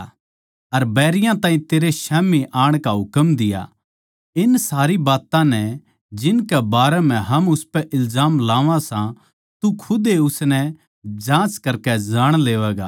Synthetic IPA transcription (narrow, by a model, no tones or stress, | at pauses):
ɐɾbɛːɾɪjãt̪ãːĩt̪eːɾeʃɛːmiʔaːɽ̃kaɦʊkəmd̪ɪja̰ | ɪnsaːɾibaːt̪ãnɛ | d͡ʒɪnkɛbaːɾɛm̤ɛ̃ɦɐmʊspɛʔɪlzaːmlaːʋãsã | t̪ukʰʊd̪eʊsnɛ | d͡ʒãːt͡ʃkɐɾkɛd͡ʒaːɽ̃leːʋɛːɡa̰ː